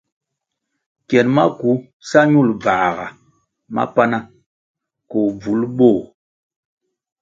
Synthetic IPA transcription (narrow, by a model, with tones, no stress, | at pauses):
kjɛ˨nma˦ku˨˦ | sa˦ɲu˦˨lba˨ɣa̰˨ | ma̰˦pa˦na˦ | kɔ˨b͡vu˨˦lɓo˦˨